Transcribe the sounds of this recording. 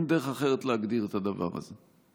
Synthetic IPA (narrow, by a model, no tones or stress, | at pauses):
md̪eʁeχaχeʁet̪leaɡd̪iʁet̪ad̪ava̰ʁa̰ze